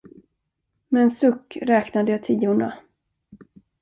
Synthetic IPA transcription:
mɛːnsɵkːɾɛːknad̪əjɑt̪ʰiːʊɳa̰

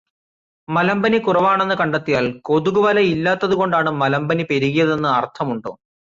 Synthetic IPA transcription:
mɐlɐmbɐnikurɐʋaːɳe̞nːɨkɐɳɖɐt̪ːijaːlko̞ðuɣuʋɐlɐilːaːt̪ːɐðuɣo̞ɳɖaːɳɨmɐlɐmbɐnipeɾuɣijɐðe̞nːɨɐrt̪ʰɐmuɳɖo̰ː

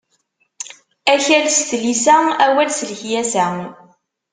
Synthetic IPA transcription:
æçælst̪lisææwælsələçjæsæ

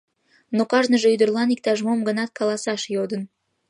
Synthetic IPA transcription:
nokɑʒnəʒeyd̪ə̆rlˠɑnik̚t̪ɑʒmomɡənɑt̪̚kʰɑlˠɑsɑʃjod̪ə̆n

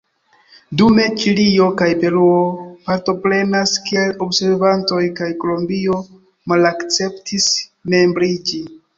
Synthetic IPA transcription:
dume̞t͡ʃilio̞kajpe̞ɾuopaɾto̞pɾe̞naskie̞lo̞bse̞ɾvanto̞jkajko̞lombio̞ | malakt͡se̞ptʰisme̞mbɾid͡ʒi

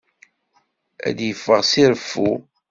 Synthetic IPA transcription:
æ̰d̪jəfːəʁsiɾəfːu

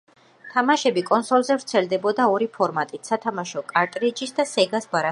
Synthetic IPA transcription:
t̪ʰamaʃɛbikʼɔnsɔlˠzɛvɾt̪sʰɛld̪ɛbɔd̪aɔɾipʰɔɾmat̪ʼit̪ʰsat̪ʰamaʃɔkʼaɾt̪ʼɾid͡ʒisd̪asɛɡasbaɾa

